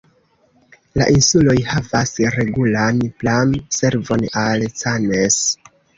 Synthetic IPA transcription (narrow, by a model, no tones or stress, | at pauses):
la̰ʔinsulo̞jhavasɾe̞ɡulanplamse̞ɾvo̞nalsanes